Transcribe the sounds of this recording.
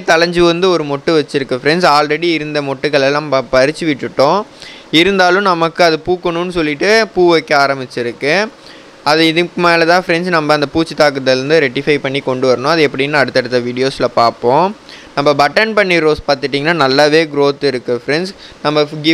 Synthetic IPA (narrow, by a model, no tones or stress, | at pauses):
t̪ɐlɐɲd͡ʒɯʋɐnd̪ɯɔɾɯmɔʈːɯʋɐt͡ʃːɪɾɯkːɯfɾɛnsaːlrɛɽiɪɾɯnd̪ɐmɔʈːɯkːɐɭɛlːãːbɐpɐɾɪt͡ʃːɯʋɪʈːɯʈːõː | ɪɾɯnd̪aːlɯ̃nɐmɐkːɯɐðɯpuːkːɐɳʊnːɯsɔlːɪʈːɯpuːʋɐkːɐaːɾɐmɪt͡ʃːɪɾɯkːɯ | ɐðɯɪðɯkːɯmeːlɐt̪ãːfɾɛnsnɐmbɐɐnd̪ɐpuːt͡ʃːɯt̪aːk̬ɯɐt̪ːɐɾɯnd̪ɯɾɛʈːɪfɐɪpɐɳːikɔɳɖɯʋɐɾɐɳʊ̃ɐðɯɛpːɐɽɪjnːaɐɽɯt̪ːɐɽɯt̪ːɐʋiːɽɪjoːsɪlɐpaːɾpõːnɐmːɐbɐʈːɐnpɐɳːiɾoːspaːɾt̪ɯʈːiːŋɐnːaːnɐlːaːʋeːɡɾoːt̪ːɪɾɯkːɯfɾɛnsnɐmːɐɡɪ